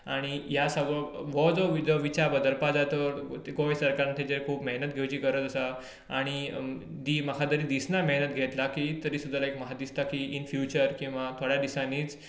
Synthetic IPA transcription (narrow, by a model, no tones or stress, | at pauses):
aɽ̃iɦjasəʋəʋɔd͡zɔʋid͡zɔʋit͡ɕabəd̪əlpad͡zat̪əɾt̪ɡoʋesəɾkaɾnt̪ʰed͡ʑekʰuːpmeɦnət̪̚ɡʱewt͡ɕiːkəɾət̪əsa | aɽ̃id̪iːməkʰad̪əɾiːd̪isnameɦnət̪ɡʱet̪lakit̪əɾiːsud̪ʱːəlaekməɦad̪ist̪akiːʔinfjut͡ɕəɾkĩw̃ʋat̪ʰoɽjad̪isãniːt͡s